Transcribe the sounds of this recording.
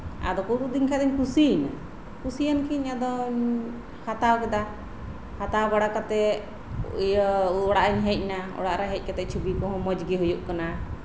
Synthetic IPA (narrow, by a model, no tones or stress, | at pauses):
a̰d̪ɔkukud̪iŋkʰad̪ɛɲkusina̰ | kusijankiɲad̪ɔɲ | hat̪awkɛd̪a | hat̪awbaɽakat̪ɛ | ɔɽaʔiɲɦɛc̚naɔ̰ɽaʔɾaɦɛc̚kat̪ɛʔ̚t͡ʃʰubikɔɦɔ̃mɔd͡ʒɡɛɦujuʔkana